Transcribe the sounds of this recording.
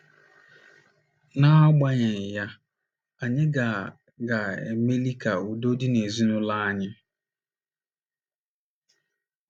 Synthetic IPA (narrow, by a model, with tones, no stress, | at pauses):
na˦a˦ɡ͡ba˦ɲe˨ja˦ | a˨ɲɪ˦ɡa˨ | ɡa˨ḛ˨me˦li˦ka˨u˨do˦di˦ne˨zi˦nʊ˦la˦a˦ɲɪ˦